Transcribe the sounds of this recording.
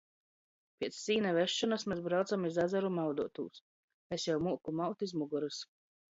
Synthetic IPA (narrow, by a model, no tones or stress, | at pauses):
pʲiɛt̪sːiːnavɛʃːɔnasmɛzbɾawt̪samizazaɾumawd̪uɔt̪ṵːs | esjawmuːkumawt̪izmuɡɔɾɨs